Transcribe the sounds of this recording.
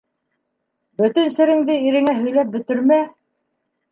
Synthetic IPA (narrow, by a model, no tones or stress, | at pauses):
bɵ̆t̪ɘnsɘ̆ɾɘ̆ŋd̪ɘiɾɘ̆ŋæɦɵ̆jlæp̚bɵ̆t̪ɘ̆ɾmæ